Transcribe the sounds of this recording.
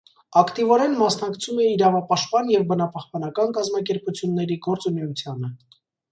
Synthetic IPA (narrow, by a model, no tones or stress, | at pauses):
ɑkt̪ivɔɾɛnmɑsnɑkt͡sʰumɛiɾɑvɑpɑʃt̪̚pɑnjɛvbənɑpɑhpɑnɑkɑnkɑzmɑk̬ɛɾput͡sʰjunːɛɾiɡɔɾt͡sunɛut͡sʰjɑnə